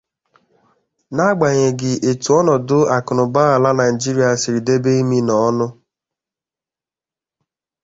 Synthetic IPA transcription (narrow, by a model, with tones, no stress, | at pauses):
na˦ɡ͡ba˨ɲe˨ɡɪ˨ʔe˨tu˨ɔ˦nɔ˨dʊ˦a˨kʊ˨nʊ˨ba˦a˨la˦na˨i˨d͡ʒi˦ɾi˦a˨sɪ˨ɾi˨de˦be˦i˦mi˦nɔ˨˦nʊ˦